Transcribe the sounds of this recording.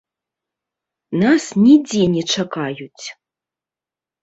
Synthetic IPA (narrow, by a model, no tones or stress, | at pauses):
nasnʲid͡zʲɛnʲɛt͡ʂakajut͡sʲ